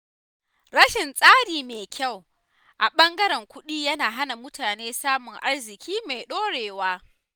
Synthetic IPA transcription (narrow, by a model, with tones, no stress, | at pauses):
ɽɐ˦ʃɪ˨nsʼaː˦ɽiː˨meː˨kʲʰa˦˨w | ʔa˨ɓɐ˦ŋɡɐ˦ɾɛ˨ŋkʷʊ˦ɗiː˦jɐ˦naː˨ɦa˦na˨mʊ˦taː˨neː˦saː˦mʊ˨ŋʔa˦rzɪ˨kʲiː˦ma˨jɗoː˦ɽeː˨waː˦